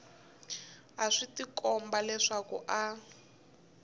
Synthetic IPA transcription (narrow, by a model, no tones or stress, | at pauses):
aʂitikɔmbalɛʂakṵʔa